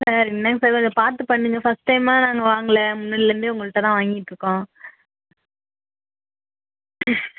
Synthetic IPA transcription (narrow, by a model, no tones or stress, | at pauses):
sɐɾɪnːɐŋsɐɾɐnd̪ɐpaːɾt̪ɯpɐɳːɯŋɡɐfɐsʈːɐɪmaːnaːŋɡɐʋaːŋɡɐlɛmʊnːɐːɽɪlɐɾɯnd̪ɯʊŋɡɐɭɯʈːɐt̪ãːʋaːŋɡɪʈːɾɯkːõː